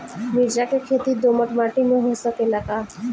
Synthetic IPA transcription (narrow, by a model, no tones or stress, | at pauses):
miɾd͡ʒakekʰeːt̪id̪oːməʈmaːʈimẽɦosəkeləɡaː